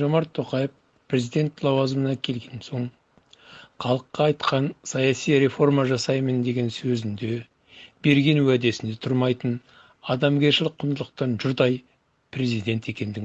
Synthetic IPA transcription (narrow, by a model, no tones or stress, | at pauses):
ʒomɑɾt̪ʰːo̞qɑjəf | pʰrʲe̞zijd̪ʲe̞nt̪lˠɑwɑzəmənɑkʲʰe̞lɡʲe̞nso̞ɴ | χʰɑlˠəqːɑːjt̪qɑnsɑjɑsijɾe̞fo̞rmɑʒɑsɑjmənd̪e̞ɡʲe̞nsɵzɪnd̪e̞ | b̥e̞ɾɡʲe̞nuæd̪e̞sɪnd̪e̞t̪ʰʊɾmɑjt̪ən | ɑd̪ɑmɡʲe̞ɾʃɪlɪqʰːʊnd̪əlˠəq̚t̪ɑnʒʊɾd̪ɑj | prʲe̞zijd̪e̞nt̪e̞kʲe̞nd̪ɪɡ